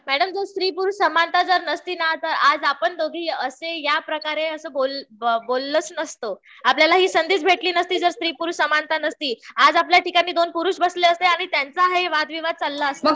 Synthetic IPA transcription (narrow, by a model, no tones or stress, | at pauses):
mæɽəmd͡zəɾst̪ɾiːpuɾsəmant̪ad͡zəɾnəst̪iːnat̪əɾad͡zapəɳd̪oɡʱiːəsejapɾəkaɾeəsəːbolbolːət͡snəst̪o | apljalaɦiːsənd̪iːt͡sbʱeʈliːnəst̪iːd͡zəɾst̪ɾiːpuɾsəmant̪anəst̪iːad͡zap̬ljaʈikanːiːd̪onpuɾuːɕbəsleəst̪eaɽ̃it̪jant͡saɦeʋad̪ʋiʋad̪̚t͡salːaəst̪